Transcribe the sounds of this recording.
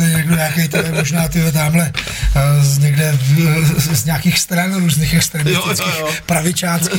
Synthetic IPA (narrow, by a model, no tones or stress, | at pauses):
ɛɲaɡdoɲaakɛjt̪oɛmoʒnaːt̪ɪɦɛt̪̬aːmlɛ | zɲɛɡdɛ | zɲaːkiːxst̪ɾanɾuːzniːxɛkst̪ɾɛmɪst̪ɪt͡skiːxpɾavɪt͡ʃaːt͡skiː